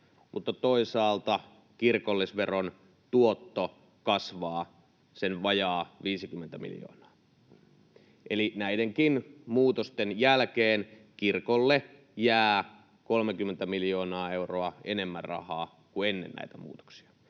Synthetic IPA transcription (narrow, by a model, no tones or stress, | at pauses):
mut̪ːɑt̪oisɑːlt̪ɑ | kirkolːisʋeron | t̪uot̪ːo | kɑsʋɑː | senʋɑjɑːʋiːsikymːent̪æmḭljo̰ːnɑ̥ː | ʔelinæideŋkinmuːt̪ost̪enjælkeːn | kirkolːe | jæː | ko̞lmekymːent̪æmiljo̞ːnɑːe̞uroɑene̞mːærrɑ̰hɑ̰ː | kuenːḛnnæ̰it̪æmṵːt̪o̥ksi̥ɑ̥